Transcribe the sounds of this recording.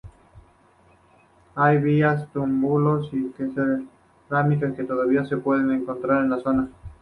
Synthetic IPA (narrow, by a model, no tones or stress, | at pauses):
ajβiast̪umbulo̞sipeseðe | ɾamit̪eske̞t̪o̞ðaβiase̞pwe̞ðe̞ne̞ŋko̞nt̪ɾaɾe̞nlaso̞na